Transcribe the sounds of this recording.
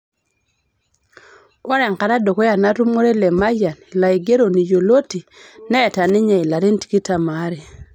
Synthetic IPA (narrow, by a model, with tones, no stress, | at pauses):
wa˦ɾɛ˨ŋka˨ɾa˦do˨ko˦ja˨na˦tu˦mo˦ɾe˦le˨ma˦ja˨n˨la˨i˨ɡe˦ɾo˨ni˨d͡ʒo˨lo˦ti˨nɛː˦˨ta˨nɪ˦ɲa˨i˨la˨ɾe˦n˦ti̥˨ki˦ta˨ma˨˦ɾe˨